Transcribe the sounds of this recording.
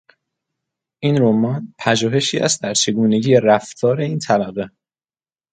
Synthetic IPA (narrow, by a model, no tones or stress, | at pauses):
ʔiːnɾomɒːnpʰæʒuːɦe̞ʃiːæ̰st̪̚d̪æɾt͡ʃʰe̞ɡuːne̞ɟiːɾæft̪ʰɒːɾe̞iːnt̪ʰæbæɣe